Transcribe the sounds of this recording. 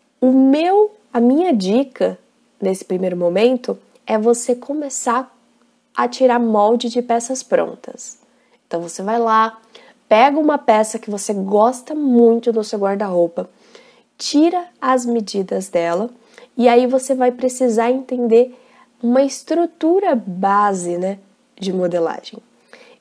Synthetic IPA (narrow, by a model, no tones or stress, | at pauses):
ʊmew | ɐmĩɲɐd͡ʒikɐ | nesɪ̥pɾimejɾʊmõmẽnt̪ʊ | ɛvosekʰomesaɾ | ɐ̰t͡ʃiɾaɾmɔwd͡ʒɪd͡ʒɪpɛsɐspɾõ̰nt̪ɐ̥s | ẽnt̪ɐ̃w̃vosevajla | pɛɡɐũmɐpɛsɐkɪvoseɡɔst̪ɐmũj̃t̪ʊd̪ʊseɡwaɾd̪ɐɦowpɐ | t͡ʃiɾɐɐzmed͡ʒid̪ɐzd̪ɛlɐ | ɪaivosevajpɾesizaɾẽnt̪ẽnd̪eɾ | ũmɐɪst̪ɾut̪uɾɐbazɪnɛ | d͡ʒɪmod̪ela̰ʒẽj̃